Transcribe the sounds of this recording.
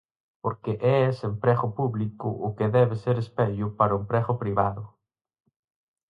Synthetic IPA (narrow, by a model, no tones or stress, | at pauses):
poɾkeʔɛesempɾɛɣʊpuβlikʊ̰ʔʊkɪðɛβɪseɾespɛʎʊpaɾʊempɾɛɣʊpɾiβaðʊ